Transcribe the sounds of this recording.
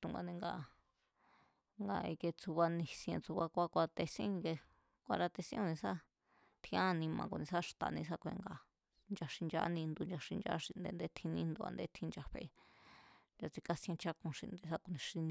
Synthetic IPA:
t̪u˧ŋɡa̰˧nẽ˧ŋɡa˧ | ŋɡa˧ḭ˧ke˧t͡su˧βa˧nĩ˧sj̃ẽ˧t͡su˧βa˧kʷa˦kʷa˧t̪e˧sĩ˦˧ke˧ | kʷa˧ɾa˧t̪e˧sĩ˦ku˧nĩ˧sa˦ | t̪ʰĩ˧˦ã˦˧nĩ˧mã̰˧ku˧nĩ˧sa˦ʂt̪a̰˨nĩ˧s̬a˦kʷḛ̃˧ŋɡa˧ | nd͡ʒa˧ʂi˧nd͡ʒa̰˧˦nĩ˧nd̪u˧nd͡ʒa˧ʂĩ˧nd͡ʒa̰˧˦ʂĩ˧˨nd̪ḛ˧nd̪e˧˦t̪ʰĩ˧nĩ˧nd̪u˧a̰˧nd̪e˧˦t̪ʰĩ˧nd͡ʒa˧ɸe˧e˧ | nd͡ʒa˧t͡si˧ka˦sẽ˧t͡ʃa˧kũ˧ʃḭ̃˧nd̪e˧sa˦ku˧nĩ˧ʂi˧nĩ˧

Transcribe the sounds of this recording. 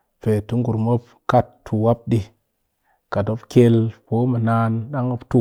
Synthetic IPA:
pe˨tu˦ŋɡu˨ɾmo˦p | ka˦tːʰu˨wa˦p̚ɗi˦ | ka˨to˦pke˦lpo˦mə˨na˦nɗa˦ŋo˦ptu˦

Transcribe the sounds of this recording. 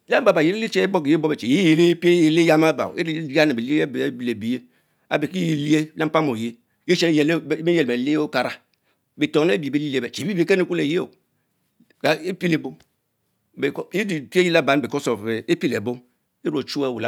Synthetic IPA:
la˦m˦ba˨ba˨je˦e˦i˦t͡ʃe˦e˦bo˦kje˦bo˦be˨t͡ʃe˨je˦je˨le˦pe˦je˨le˦ja˦ma˦ba̰˨we˦a˦ne˨be˨li˦˨˦ble˨bi˨je˦ | a̰˨be˨ki˦ji˨li˦e˦la˦pa˦mo˨je˦ | je˦t͡ʃe˦n˦jlme˦je˨le˨le˦o˦ka˨ɾa˦ | be˨to˨n˦e˦bi˨be˦li˦li˦e˦be˨t͡ʃe˨bi˦be˨˦ke˦ne˦˨ku˦le˨je˦o̰˨ | ka˨e˦pi˦le˨bo˦ | be˨ki˦˨pi˦e˦ji˦la˦ba˨n˦be˨ko˦so˨e˨e˦pi˦le˨bo˦m | e˦ɾo˨t͡ʃu˦e˦˨wu˨la˨˦

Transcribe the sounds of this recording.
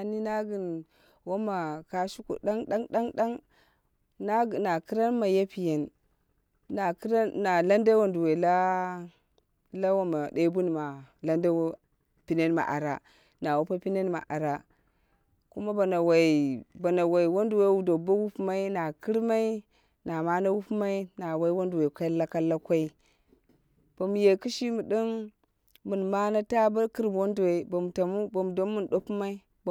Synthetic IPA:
a˨ni˦na˦ɡi˨n | wa˦ma˨ka˨ʃu˦ko̰˨da˦ŋɗa˦ŋɗa˦ŋda˦ŋ | na˦ɡna˨ki˦ɾa˦nma˨ja˦pi˨je˨n | na˨kɾa˦nːa˨la˦nda˦wa˦ndu˨we˨la˦ | la˦wa˦ma˨de˦bu˦n˨ma˨la˦nda˦w | pi˨ne˦nma̰˨ʔa̰˨ɾa˨ | na˨wo˦pa˦pi˦ne˦nma̰˨ʔa˨ɾa˦ | ku˦ma˦ba˨na˨wa˨i˨ba˨na˨wa˨i˨wo˦ndu˨we˦wu˨do˨ba˦wu˦pma˦i˦na˨ki˦ɾma˦i˦ | na˨ma˦na˦wu˦pma˦i˦na˨wa˦i˦wo˦ndu˨we˨ka˦la˦ka˦la˦kʷa˦i˦ | b̥a˨mu˨je˨ki˦ʃi˦mu˨di˦n | mu˨nma˦na˦ta˦ba˦ki˦ɾm˨wo˦ndu˨we˨ba˨mu˨ta˨mu˦ba˨m˨do˦mu˦n˨ɗo˦pu˦ma˦i˦ | b

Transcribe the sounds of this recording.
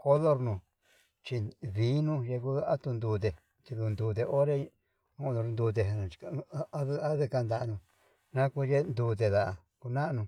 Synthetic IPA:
ko˦lo˦ɾnũ˧ | t͡ʃi˧βi˨˦nũ˦je˧ku˦a˦t̪u˧nd̪uː˧t̪̬e˨ | t͡ʃ̪i˧ðu˧nd̪uː˧t̪̬e˧o˦ɾe˦˧ | ũ˧do˧ɾnd̪u˧t̪̬e˧nã˧˨t͡ʃka˧˦a˦ða˦ðɨ˧ka˧nd̪a˨˧nũ˧ | nã˦ku˦je˦nd̪uː˧t̪̬e˧ða˨ʔ | ku˧nã˦˧nũ˧

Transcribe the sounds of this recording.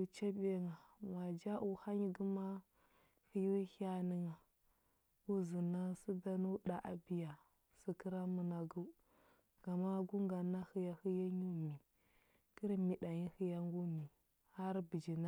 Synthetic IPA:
u˨t͡ʃa˦be˦ŋa˨ma˨d͡ʒa˦ʔu˨ha˦ɲi˦ɡu˦ma˦ | xi˦ju˦ha˦ni˦ŋa˨ | u˦zi˨na˦si˦da˦nu˦ɗa˨ʔa˨bi˦ja˨ | si˨ki˦ɾa˦mu˨na˨ɡu˦ | ɡ̥a˨ma˦ɡu˦ŋɡa˨na˦hi˨ja˦hi˦ja˦ɲu˦˨mi˨ | ki˦ɾmi˨ɗa˨ɲi˦hi˦ja˦ŋɡu˦mi˨ | ha˦ɾbi˨d͡ʒi˨na˦

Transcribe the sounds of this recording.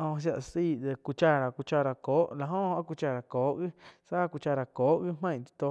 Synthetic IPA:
õ˧s̬ja˧ʔsiː˦˨d̪e˧ku˧t͡ʃa˧ɾa˨ku˧t͡ʃa˧ɾa˨koː˨˦ʔla˧ɦõ˦˧a˦ku˧t͡ʃa˧˨ɾa˨koː˨˦ʔɣi˦sa˦˧ku˧t͡ʃa˧ɾa˨koː˨˦ʔɣi˦mẽ˦˨t̪i̥˧t̪o˧

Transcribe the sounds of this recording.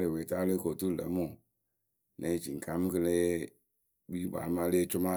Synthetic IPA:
le˨we˨ta˦le˦ko˨tu˦˨lḛ˨˦mu˨ | nʔe˦d͡ʒi˨ŋ̩˨ka˦mɨ˦kɨ˦le˦ | bi˦ba̰˨˦ma˦le˦t͡ʃʊ˦ma˦

